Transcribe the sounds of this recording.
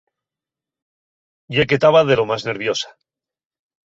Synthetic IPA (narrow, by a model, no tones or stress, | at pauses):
ɟ͡ʝeket̪aβaðe̞lo̞mazne̞ɾβjo̞sḁ